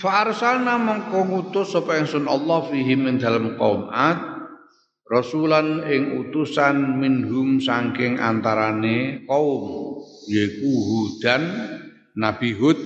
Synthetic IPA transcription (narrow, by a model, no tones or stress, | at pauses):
faʔːrsanamɔŋkɔŋut̪ʊsːopɔɪŋsʊnɔlːɑhfiɦimːɪnd̪a̤ləmkɔ̰umat̪̚ | rɔsulanɪŋut̪usanminɦʊmsaŋkɪŋʔa̰nt̪aɾanekɔʊmjɔikuɦud̪̥anː | ab̥iɦʊt̪̚